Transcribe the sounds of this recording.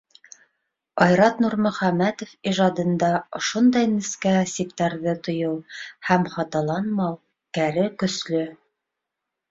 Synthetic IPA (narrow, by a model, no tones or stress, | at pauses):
ɑjɾɑt̪nuɾmɵ̆χæmæt̪ŏfiʒɑd̪ɤ̆nd̪ɑŏʃond̪ɑjnɘ̆skæsip̚t̪æɾðɤt̪ŏjɤwhæmχɑt̪ɑlˠɑnmɑw | kæɾɘkɵ̆slɵ